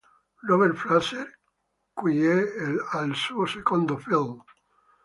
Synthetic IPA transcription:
loβeɾflaseɾ | kujealsuosekõnd̪ofilm

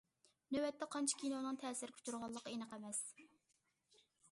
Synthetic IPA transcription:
nøwɛt̪ʰːɛqʰɑnt͡ʃʰi̥kʲʰinonɨŋt̪ʰɛːsɪɾkʲʰu̥t͡ʃuɾʁɑlˠːəqːenəqɛmɛs

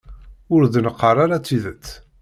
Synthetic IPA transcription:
ʊɾðnəqːɑrˤaɾat͡sːiðət͡sː

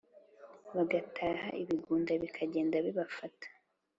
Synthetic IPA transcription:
βaɡatʰaːha̰ʔiβiɡuːndaβikʰaɟe̞ːndaβiβafatḁ

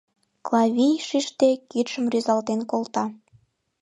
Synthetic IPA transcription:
klɑβʲijʃiʃt̪ekit̪ʃəmryzɑlt̪enkolt̪ɑ

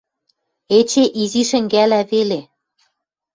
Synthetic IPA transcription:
et͡ɕeʔiziʃɘ̆ŋɡælæβele

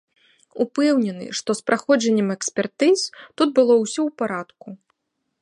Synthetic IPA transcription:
upɛwnʲɛnɨ̰ʂt̪ɔspɾaxɔd͡ʒɐnʲːɛmɛksʲpʲɛrt̪ɨzt̪ud̪̚bɨlˠɔwsʲɔwpaɾat̪ku

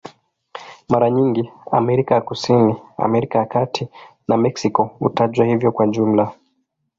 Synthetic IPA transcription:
maɾaɲiŋɡiamɛɾikajakusinia̰mɛɾikajakatʰi | namɛksikɔṵtaʄwahivjɔkwaʄum̩la

